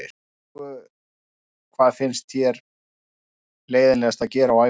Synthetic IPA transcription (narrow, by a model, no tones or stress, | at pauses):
kʰvaːðfɪnst̪θjɛɾ̥ | leːjðɪnlɛɣast̪aðcɛːɾawa